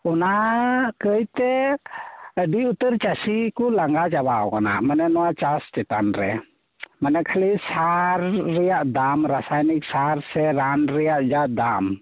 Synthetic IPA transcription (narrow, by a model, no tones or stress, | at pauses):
ɔnakəjt̪ɛ | əɖiut̪əɾt͡ʃasikɔlaŋɡad͡ʒabaɔkana̰ʔmanɛnɔwat͡ʃastɛt̪anɾɛ | manɛkʰalisaɾːɛjaʔd̪amɾasajnik̚saɾsɛɾanɾɛjaʔd͡ʒaʔd̪am